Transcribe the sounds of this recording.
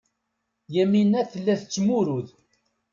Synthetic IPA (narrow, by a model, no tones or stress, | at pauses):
jæminːæθəlːæθt͡sːmuɾuð